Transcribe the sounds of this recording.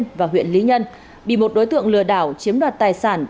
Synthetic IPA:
nvaː˨˩ɦwḭ˧˨ənli˨˦ɲə˧n | ɓḭ˧˨mo˨˩t̚ɗo˨˦jt̪ɨ˧˨əŋlɨ̰˧˨əɗaː˧˩wt͡ɕi˨˦əmɗwaː˨˩t̚t̪aː˨˩jsaː˧˩n

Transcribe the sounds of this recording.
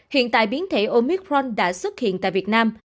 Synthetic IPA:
hḭ˧˨ənt̪a̰ː˧˨jɓi˨˦ənt̪ʰe˧˩ʔo˧mi˦˥k̚ɹɔ˧nɗa̰ː˧˥swə˦˥t̚hḭ˧˨ənt̪a̰ː˧˨jvi˨˩t̚naː˧m

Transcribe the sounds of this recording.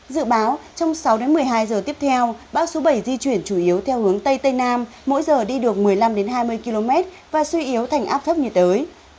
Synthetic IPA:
zɨ̰˧˨ɓaː˨˦wt͡ɕɔ˧wŋ͡msa˨˦wɗe˨˦nmɨ˨˩əjɦaː˧jzəː˨˩t̪i˦˥əp̚t̪ʰɛ˧wɓaː˨˧˩wso˨˦ɓə˧˩jzi˧t͡ɕwi˧˩ənt͡ɕu˧˩ʔi˨˦əwt̪ʰɛ˧whɨ˨˦əŋt̪ə˧jt̪ə˧jnaː˧mːo̰˧˥jzəː˨˩ɗi˧ɗɨ˨˩ək̚mɨ˨˩əjla˧mɗe˨˦nɦaː˧jmɨ˧əjki˧lo˧mɛ˦˥t̚ | vaː˨˩swi˧ʔi˨˦əwt̪ʰa˨˩jŋ̟ʔaː˦˥p̚t̪ʰə˦˥p̚ɲi˨˩t̚t̪əː˨˦j

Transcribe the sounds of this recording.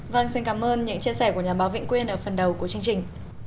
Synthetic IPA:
və˧ŋsi˧nkaː˨˦mʔəː˧nɲɨ̰˧˥ŋt͡ɕi˧sɛ˧˩ku˧˩əɲaː˨˩ɓaː˨˦wvḭ˧˨ŋ̟kwi˧ənʔəː˧˩fə˨˩nɗə˨˩wku˧˩ət͡ɕɨ˧əŋt͡ɕï˨˩ŋ̟

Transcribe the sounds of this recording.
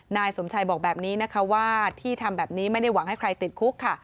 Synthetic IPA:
naː˧jso˩˦mt͡ɕʰa˧jbɔː˨˩k̚bɛː˨˩p̚niː˦˥na˦˥kʰa˦˥waː˥˩t̪ʰiː˥˩t̪ʰa˧mbɛː˨˩p̚niː˦˥ma˥˩jda˥˩jwa˨˩˦ŋha˥˩jkʰɾa˧jt̪i˨˩t̪̚kʰu˦˥kʰːa˥˩

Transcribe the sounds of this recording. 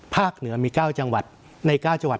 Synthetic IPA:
pʰaː˥˩k̚nɯ˩˦ɐmiː˧kaː˥˩wt͡ɕa˧ŋwa˨˩t̪̚ | na˧jkaː˥˩wt͡ɕa˧ŋwa˨˩

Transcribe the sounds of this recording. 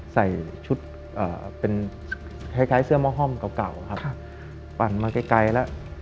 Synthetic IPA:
sa˨˩jt͡ɕʰu˦˥t̪̚ | ʔaː˨˩pe˧n | kʰa˧˩jkʰaː˦˥jsɯ˥˩əmɔː˥˩ɦɔ˥˩mka˨˩wka˨˩wa˧kʰa˦˥p | pa˨˩nmaː˧ka˧˩jka˧jlɛ˦˥ʔ

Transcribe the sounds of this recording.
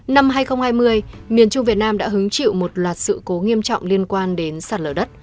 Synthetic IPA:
na˧mɦaː˧jxə˧wŋ͡mhaː˧jmɨ˧əjmi˨˩ənt͡ɕʊ˧ŋ͡mvi˨˩ət̚naː˧mɗa̰ː˧˥ɦɨ˨˦ŋt͡ɕḭ˧˨wmo˨˩t̚lwaː˨˩t̚sɨ̰˧˨ko˨˦ŋi˧əmt͡ɕɔ̰˧˨wŋ͡mli˧ənkwaː˧nɗe˨˦nsaː˨˩t̚ləː˧˩ɗə˦˥t̚

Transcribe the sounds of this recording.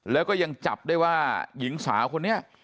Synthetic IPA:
lɛː˦˥wkɔː˥˩ja˧ŋt͡ɕa˨˩p̚daː˥˩jwaː˥˩ji˩˦ŋsa̰ː˩˦kʰo˧nːi˦˥ɐʔ

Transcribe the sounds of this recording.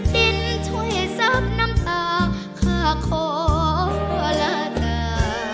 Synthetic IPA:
ɗ̪i˧˩nt̪ʰu˧˩jsa˦˥p̚na˧˥mt̪aː˧ŋ | kʰaː˧˩kʰoː˧˩˧ | la˧˩t̪aː˧˩

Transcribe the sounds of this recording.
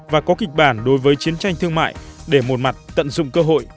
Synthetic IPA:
vaː˨˩kɔ˨˦kï˨˩k̟̚ɓaː˧˩nɗo˨˦jvəː˨˦jt͡ɕi˨˦ənt͡ɕa˧jŋ̟t̪ʰɨ˧əŋma̰ː˧˨jɗe˧˩mo˨˩t̚ma˨˩t̚t̪ə̰˧˨nzʊ̰˧˨ŋ͡mkəː˧ɦo̰˧˨j

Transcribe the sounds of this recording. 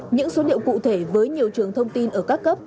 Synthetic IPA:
ɲɨ̰˧˥ŋso˨˦ɗḭ˧˨əwkṵ˧˨t̪ʰe˧˩vəː˨˦jɲi˨˩əwt͡ɕɨ˨˩əŋt̪ʰə˧wŋ͡mt̪i˧nʔəː˧˩kaː˦˥kːə˦˥p̚

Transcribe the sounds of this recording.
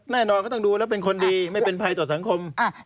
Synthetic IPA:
nɛː˥˩nɔː˧nkːt̪ɔ˥˩duː˧lɛː˦˥˩pe˧nkʰo˧ndiː˧ma˥˩jpe˧npʰa˧jt̪ɔː˨˩sa˩˦ŋkʰo˧mʔa˧˩

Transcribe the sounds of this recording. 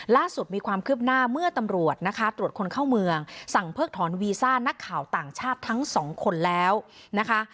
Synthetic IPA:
laː˥˩su˨˩t̪̚miː˧kʰwaː˧mkʰɯː˥˩p̚naː˥˩mɯ˥˩ɐt̪a˧mɾu˨˩ət̪̚na˦˥kʰa˦˥t̪ɾu˨˩ət̪̚kʰo˧nkʰa˥˩wmɯ˧əŋsa˨˩ŋpʰɤː˥˩k̚t̪ʰɔː˩˦nwiː˧saː˥˩na˦˥kʰːaː˨˩wt̪aː˨˩ŋt͡ɕʰaː˥˩t̪ʰːa˦˥ŋsɔː˩˦ŋkʰo˧nlɛː˦˥wna˦˥kʰa˦˥

